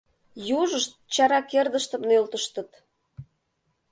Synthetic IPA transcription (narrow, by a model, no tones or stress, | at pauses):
juʒəʃt̪̚t͡ɕɑɾɑkerd̪əʃt̪ə̆mnølt̪əʃt̪ə̆t̪